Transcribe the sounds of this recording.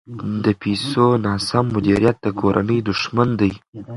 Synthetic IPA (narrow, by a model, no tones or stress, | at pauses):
d̪əpʰesonɑsamːʊd̪iɾijat̪̚d̪əkʰoɾʔa̰nəjd̪ʊʂmand̪aj